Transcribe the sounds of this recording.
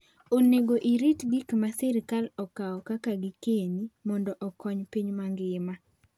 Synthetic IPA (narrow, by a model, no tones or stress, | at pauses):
oneɡoʔiɾitɡikmasɛɾkalɔkaɔkakaɡɪkenimɔndɔʔɔkɔɲpiɲmaŋɡɪma